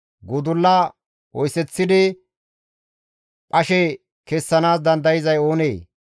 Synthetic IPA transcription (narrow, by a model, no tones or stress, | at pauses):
ɡʊd̪ʊlːɐ | wɔjsɛt͡sːɪd̪ɪ | pʼɐʃɛ | kɛsːɐnaːs̬d̪ɐnd̪ɐjɪzɐjo̞ːneː